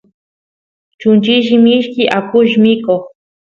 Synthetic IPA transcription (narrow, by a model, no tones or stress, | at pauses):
t͡ʃʊnt͡ʃiʒɪmiʃkɪʔakʊʒmɪkoχ